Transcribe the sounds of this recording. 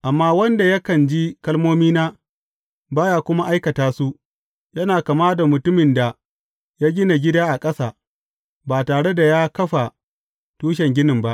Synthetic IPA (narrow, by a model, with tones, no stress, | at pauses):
ʔa˨mːaː˦wɐ˦nda˨jɐ˦kɐ˨nd͡ʒi˦kɐ˦lmoː˦miː˦naː˦ | baː˦jaː˦˨kʷʊ˦ma˦ʔa˦jkɐ˨taː˦su˦ʔ | jɐ˦naː˨kɐ˨maː˦da˨mʊ˨tʊ˦mɪ˨nda˨ | jaː˦ɡʲɪ˦na˨ɡʲɪ˦daː˦ʔa˨kʼɐ˦saː˨ | baː˨taː˨ɽe˦da˨jaː˦kɐ˦ɸa˨ | tuː˦ʃ̬ɛ˨ŋɡʲɪ˦nɪ˨mba˦ʔ